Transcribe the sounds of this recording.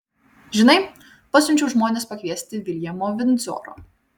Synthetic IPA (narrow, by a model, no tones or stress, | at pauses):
ʒʲɪnɐɪ | pɐsʲʊnʲt͡ʃʲɛʊʒmoːnʲeːspɐkʲʋʲiɛsʲt̪ʲɪʋʲɪlʲjɛmoːʋʲɪnzo̰ːɾo̰ː